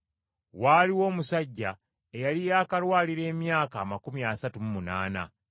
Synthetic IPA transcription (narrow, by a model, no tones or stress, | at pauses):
waːliwo̞ːmusaɟːa | ejalijaːkalwaːliɾe̞ːmjaːkaːmakumiasatumumunaːna̰